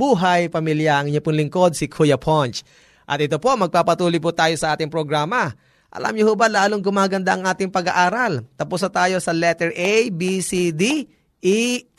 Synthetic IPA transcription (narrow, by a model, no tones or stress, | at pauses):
buːɦɐjpɐmiljɐʔɐŋɪɲopʊŋlɪŋko̞d̪̚sɪkʰujɐpʰont͡ʃ | ʔɐ̰t̪̚ɪt̪o̞po̞ʔmɐɡ̚paːpɐt̪uːlʊjp̬ʊt̪aːjo̞sɐʔaːt̪ɪŋpɾoɡɾaːmɐ | ʔɐ̰lʔa̰mɲohobalaːloŋɡʊmaːɡɐnd̪aʔɐŋʔaːt̪ɪŋpɐɡaʔaːɾɐlt̪ɐpusɐt̪aːjo̞sɐlɛt̪ɛɹʔɛjbisid̪i | ʔi